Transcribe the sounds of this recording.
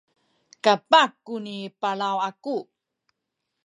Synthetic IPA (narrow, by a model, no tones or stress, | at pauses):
kapakːunipalawaku